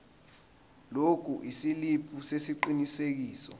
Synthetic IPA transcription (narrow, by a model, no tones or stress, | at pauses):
lok̬ʰuʔisilipʰusesiǃinisek̬iːsɔ̰